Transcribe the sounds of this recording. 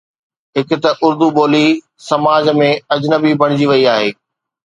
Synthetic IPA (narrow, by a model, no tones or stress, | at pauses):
ɦɪkɪt̪ɐʔʊɾd̪uboːli | sɐmaːd͡ʑmẽɐd͡ʑnəbibɐɽ̃ɪd͡ʑiʋɐiaːɦeː